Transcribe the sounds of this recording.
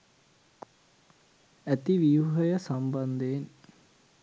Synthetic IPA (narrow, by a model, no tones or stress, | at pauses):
æt̪iʋijuɦəjəsamband̪eːn